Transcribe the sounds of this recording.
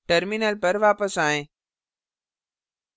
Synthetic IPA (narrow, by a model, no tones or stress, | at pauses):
ʈəɾminəlpɐɾʋaːpəsaːɦẽː